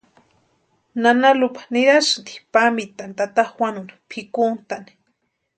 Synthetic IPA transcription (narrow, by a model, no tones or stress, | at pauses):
nanalupḁniɾasntd̪i̥pamit̪ant̪at̪awanuni̥pʰikunt̪ani̥